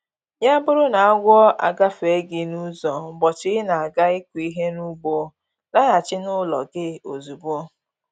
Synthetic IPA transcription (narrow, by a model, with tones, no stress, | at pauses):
ja˦bʊ˦ɾʊ˦na˨a˦ɡʷɔ˦ʔa̰˨ɡa˦fe˨˦ɡɪ˦nu˦zɔ˨bɔ˨t͡ʃɪ˦na˨a˨ɡa˦ɪ˦kʷi˦ɦe˦nu˦ɡ͡bo˨ | la˦na˨t͡ʃɪ˦nʊ˦lɔ̰˨ɡɪ˦o˨zu˨bo˦